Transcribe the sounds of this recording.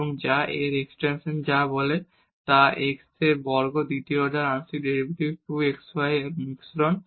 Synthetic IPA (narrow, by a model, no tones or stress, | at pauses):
oŋd͡ʑaʔeɾeksʈenʃond͡ʑabole | t̪aʔekseɾbɔɾɡod̪it̪ioɖaɾansikɖeɾibʈibʈuekswajeɾmiksɾɔn